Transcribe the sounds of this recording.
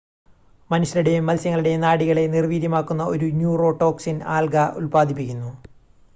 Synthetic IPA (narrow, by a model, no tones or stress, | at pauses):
mɐnuɕjɐluɽe̞jmːɐlsjɐŋːɐɭiɽe̞naːɽiɣɐɭe̞nirʋiːɾjɐmaːkːunːɐo̞ɾunjuːro̞ːʈːo̞ːksina̰ːlɡɐʔṵlpaːd̪ʱipːikʲːunːu